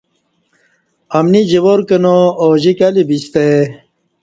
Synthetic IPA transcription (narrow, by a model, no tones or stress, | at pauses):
ɐmnid͡ʑiwoɾkɐnooːʑikɐlibist̪e